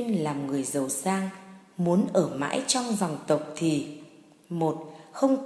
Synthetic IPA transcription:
nlaː˨˩mŋɨ˨˩əjzə˨˩wsaː˧ŋ | mu˨˦ənʔəː˧˩ma̰ː˧˥jt͡ɕɔ˧wŋ͡mzɔ˨˩wŋ͡mt̪ə˨˩wk͡p̚t̪ʰi˨˩ | mo˨˩t̚xə˧wŋ͡m

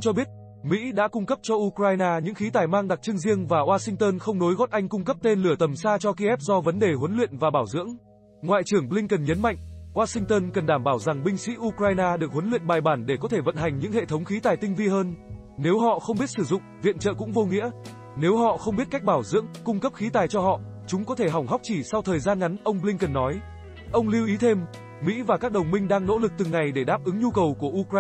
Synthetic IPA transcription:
t͡ɕɔ˧ɓi˦˥ət̚ | mḭ˧˥ɗa̰ː˧˥kʊ˧ŋ͡mkə˦˥p̚t͡ɕɔ˧ʔu˧kɾaː˧jnaː˧ɲɨ̰˧˥ŋxi˨˦t̪aː˨˩jmaː˧ŋɗa˨˩k̚t͡ɕɨ˧əŋzi˧əŋvaː˨˩ʔwaː˧sï˧ŋ̟t̪əː˧nxə˧wŋ͡mno˨˦jɣɔ˦˥t̚ʔa˧jŋ̟kʊ˧ŋ͡mkə˦˥p̚t̪e˧nlɨ˧˩ət̪ə˨˩msaː˧t͡ɕɔ˧ki˧ʔɛ˦˥p̚zɔ˧və˨˦nɗe˨˩ɦwə˨˦nlwḭ˧˨ənvaː˨˩ɓaː˧˩wzɨ̰˧˥əŋ | ŋwa̰ː˧˨jt͡ɕɨ˨˧˩əŋɓlï˧ŋkə˨˩nɲə˨˦nma̰˧˨jŋ̟ʔwaː˧sï˧ŋt̪əː˧nkə˨˩nɗaː˧˩mɓaː˧˩wza˨˩ŋɓï˧ŋ̟sḭ˧˥ʔu˧kɾaː˧jnaː˧ɗɨ˨˩ək̚hɦə˨˦nlwḭ˧˨ənɓaː˨˩jɓaː˧˩nɗe˧˩kɔ˨˦t̪ʰe˧˩və̰˧˨nɦa˨˩jŋ̟ɲɨ̰˧˥ŋhḛ˧˨t̪ʰə˨˦wŋ͡mxi˨˦t̪aː˨˩jt̪ï˧ŋ̟vi˧ɦəː˧n | ne˨˦wɦɔ̰˧˨xə˧wŋ͡mɓi˦˥ət̚sɨ˧˩zʊ̰˧˨ŋ͡mvḭ˧˨ənt͡ɕə̰ː˧˨kʊ̰˧˥ŋ͡mvo˧ŋḭ˧˥ə | ne˨˦wɦɔ̰˧˨xə˧wŋ͡mɓi˦˥ət̚ka˦˥k̚ɓaː˧˩wzɨ̰˧˥əŋkʊ˧ŋ͡mkə˦˥p̚xi˨˦t̪aː˨˩jt͡ɕɔ˧hɔ̰˧˨ | t͡ɕʊ˨˦ŋ͡mkɔ˨˦t̪ʰe˧˩ɦa˨˩wŋ͡mɦa˦˥k͡p̚t͡ɕi˧˩sa˧wt̪ʰəː˨˩jzaː˧nŋa˨˦nʔə˧wŋ͡mɓlï˧ŋkə˨˩nːɔ˨˦j | ʔə˧wŋ͡mli˧wʔi˨˦t̪ʰe˧m | mḭ˧˥vaː˨˩kaː˦˥k̚ɗə˨˩wŋ͡mmï˧ŋ̟ɗaː˧ŋno̰˧˥lɨ˨˩k̚t̪ɨ˨˩ŋa˨˩jɗe˧˩ɗaː˦˥p̚ʔɨ˨˦ŋɲu˧kə˨˩wku˧˩əʔu˧kː

